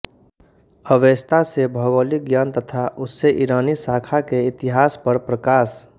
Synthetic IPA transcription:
əʋeːst̪asebʱəɡoːliɡjaːnt̪ət̪ʰaʔʊsːeʔiɾaːnisaːkʰakeɪt̪ɪɦaːspəɾpɾəkaːs

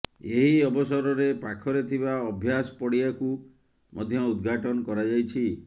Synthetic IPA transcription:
eɦiɔbɔsɔɾɔɾepakʰɔɾet̪ʰibaɔbʱjasɔ̥pɔɽiaku | mɔ̰d̪ʱjɔud̪ɡʱaʈɔnɔkɔɾad͡ʒajt͡ʃʰi

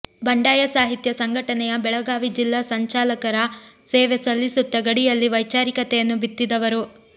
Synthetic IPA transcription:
bɐɳɖaːjɐsaːɦit̪jɐsɐŋɡʱɐʈɐnɛjɐbɛɭɐɡaːʋid͡ʒilːasɐɲt͡ʃaːlɐkɐɾɐseːʋesɐlːisut̪ːɐɡɐɽijɐlːiʋɐjt͡ʃaːɾikɐt̪ɛjɐnːubit̪ːid̪ɐʋɐɾu

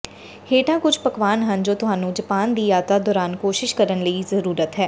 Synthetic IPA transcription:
hʰeːʈãːkʊd͡ʒʰpəkʋaːnɦənd͡ʒoːt̪ʊɦaːnũːd͡ʒəpaːnd̪iːaːt̪aːd̪ɔːɾaːnkoːʃɪʃkəɾənləiːzəɾuːɾət̪ɦɛː

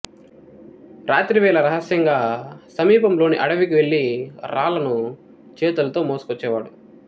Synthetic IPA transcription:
ɾaːt̪ɾiʋɛːlɐɾɐɦɐsjɐŋɡaːsɐmiːpɐmlo̞ːniʔɐɽɐʋikiʋe̞ɭːiɾaːlɐnu | t͡ʃɛːt̪ulɐt̪o̞ːmoːsu̥kɔt͡ʃːɛːʋaːɽu

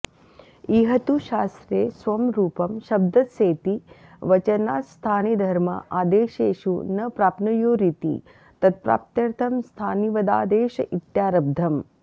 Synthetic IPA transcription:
iːɦɐt̪uʃaːst̪ɾeːsʋɐmɾuːpɐmʃɐb̚d̪ʱɐt̪seːt̪iʋɐt͡ʃɐnaːst̪ʰaːnid̪ʱɐɾmɐ̰ʔaːd̪eːʃeːʃunɐpɾaːpnɐjoːɾit̪ḭ | t̪ɐt̪̚pɾa̰ːp̚t̪jɐɾt̪ʰɐmst̪ʰaːniʋɐd̪aːd̪eːʃɐ̰ʔit̪jaːɾɐb̚d̪ʱɐm

